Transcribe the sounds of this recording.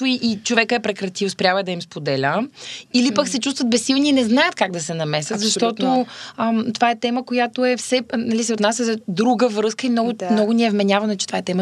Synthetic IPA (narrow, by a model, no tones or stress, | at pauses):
ʊiʔːt͡ʃovɛkəɛpɾɛkɾɐt̪iwspɾʲjavəɛd̪ɐimspod̪ɛlʲəilipəksɛt͡ʃust̪vət̪̚bɛsːilˠniːnɛznajət̪̚kaɡd̪ɐsɛnɐmɛsət̪zɐʃt̪ɔt̪o | t̪ovaɛt̪ɛməkojat̪oɛfsɛnɐlisɛʊt̪nas̬ʲjəzɐd̪ɾuɡəvɾɤskəimnɔɡʊmnɔɡʊniɛvmɛnʲavɐnɛt͡ʃɛt̪ovaɛt̪ɛmə